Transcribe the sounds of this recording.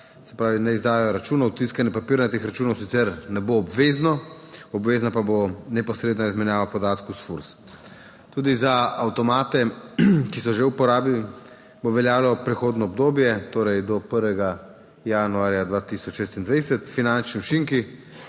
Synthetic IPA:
sɛ̥pɾaːʋinɛizd̪aːjɛjɔɾat͡ʃuːnawt̪iskanjɛpapiɾnat̪exɾat͡ʃunɔwsit̪sɛɾnɛboːbʋeznɔɔbʋeːznapabonɛpɔsɾeːd̪nɔizmɛnjaːʋapɔd̪aːt̪kusfuɾs | t̪uːd̪izaawt̪ɔmaːt̪ɛkisɔʒewpɔɾaːbi | boʋɛljaːwlɔpɾɛxoːd̪nɔːbd̪oːbjɛt̪oːɾɛjd̪ɔpəɾʋɛɡa | januaːɾjad̪ʋat̪isɔt͡ʃʃeːst̪ind̪ʋajsɛt̪finant͡ʃniut͡ʃiŋki

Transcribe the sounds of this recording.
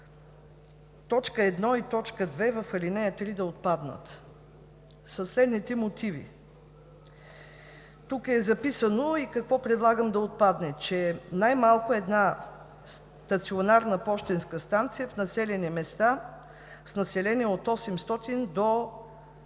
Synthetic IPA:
t̪ɔt͡ʃkəɛd̪nɔit̪ɔt͡ʃkəd̪vɛvəfɐlinɛjət̪ɾid̪ɐot̪̚pad̪nə̰t̪ | səslɛd̪nit̪ɛmot̪ʰivḭ | t̪ukɛzɐpisənoikɐkvɔpɾɛd̪lˠaɡəmd̪ɐot̪̚pad̪nɛt͡ʃɛnajmalˠkoɛd̪na | s | t̪ɐt̪sionaɾnəpɔʃt̪ɛnskəst̪ant̪sijəfnɐsɛlɛnimɛst̪a | snɐsɛlɛniɛot̪ɔsɛmst̪ɔt̪ind̪o

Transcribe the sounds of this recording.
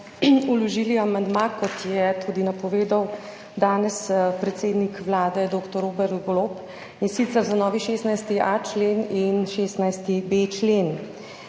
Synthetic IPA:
ulɔʒiːliamand̪makɔt̪jɛt̪ʰuːd̪inapɔʋeːd̪aw | d̪aːnɛspɾɛt̪seːd̪nikʋlaːd̪ɛd̪oːkt̪ɔɾoːbɛɾd̪ɡloːp | insit̪sɛɾzanɔːʋiʃeːst̪najst̪iʔat͡ʃleːninʃeːst̪najst̪ibet͡ʃleːn

